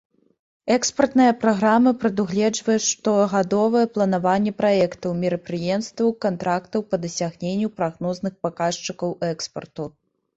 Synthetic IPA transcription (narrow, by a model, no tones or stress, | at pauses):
ɛkspɐrt̪nɨjɐpɾaɣɾamɐpɾɐd̪uɣlʲɛd͡ʐvɐjɛʂt̪ɔɣad̪ɔvɐjɛplˠɐn̪avanʲːɛpɾaɛkt̪ɐwmʲiɾɐpɾɨjɛmst̪vɐwkant̪ɾʔakt̪ɐwpɐd̪ɐsʲaɣnʲenʲːupɾaɣnɔznɨxpakaʂt͡ʂɨkɐwʔɛkspɐ̰rt̪u